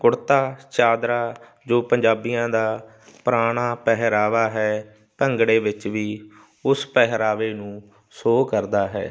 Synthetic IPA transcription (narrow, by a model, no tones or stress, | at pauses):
kʊɽt̪aːt͡ʃaːd̪ɾaː | d͡ʒoːpəɲd͡ʒaːbijãːd̪aː | pɾaːɽ̃aːpɛɦɾaːʋaːɦɛː | pəŋɡɽeːʋɪt͡ʃʋiː | ʊspɛɦɾaːʋeːnũː | soːkəɾd̪aːɦɛ̰ː